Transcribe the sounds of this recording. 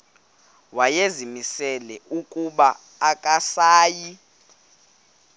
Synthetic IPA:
wajezimisɛlɛukʼuɓaː | kʼasaːji

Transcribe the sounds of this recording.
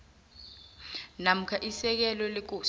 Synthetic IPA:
nam̩kʰaʔisɛk̬ɛlɔlek̬u

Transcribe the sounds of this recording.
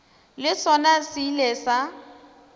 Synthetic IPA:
lɪsɔnasilɛsa

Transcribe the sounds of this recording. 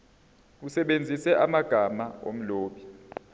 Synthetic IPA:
usɛɓend͡zʱisɛʔamaɡ̥ʱamao̰m̩loːɓi

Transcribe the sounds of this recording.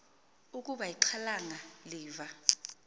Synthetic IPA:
ukʼuɓajiǃʰalaŋaliːva

